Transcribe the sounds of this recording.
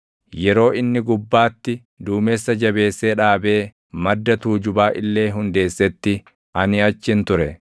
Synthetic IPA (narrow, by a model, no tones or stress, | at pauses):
jɛɾo̞ːɪnːɪɡʊbːaːt̪ːɪ | d̪uːmeːsːɐd͡ʒɐbe̞ːsːeːᶑaːbe̞ː | mɐd̪ːɐt̪uːd͡ʒʊbaːʔɪlːe̞ːɦʊnd̪e̞ːsːɛt̪ːɪ | ʔɐnɪɐt͡ʃːɪnt̪ʊɾɛ